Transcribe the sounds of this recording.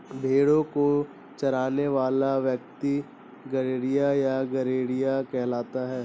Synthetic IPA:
bʱeːɽõko | t͡ʃɐɾaːneʋaːlaʋjɐk̚t̪i | ɡɐɾeːɽijajaɡɐɾeːɽijakɛɦlaːt̪aɦɛː

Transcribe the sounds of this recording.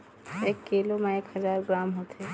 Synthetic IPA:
eːkːilomẽekhəzaːɾɡɾamɦot̪e

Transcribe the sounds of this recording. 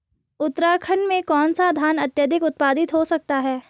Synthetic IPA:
ʊt̪ːɾaːkʰəɳmẽkɔːnsad̪ʱaːnɐt̪jəd̪ʱɪkʊt̪̚paːd̪ɪt̪ɦosɐk̚t̪aɦɛː

